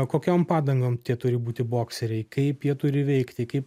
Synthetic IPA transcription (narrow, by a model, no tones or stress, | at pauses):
koːkʲoːmpɑːd̪ɐŋɡoːmt̪ʲiɛt̪ʊɾʲɪbuːt̪ʲɪboːksʲɛɾʲɛɪkɐɪpjiɛt̪ʊɾʲɪʋʲɛɪkt̪ʲɪkɐɪp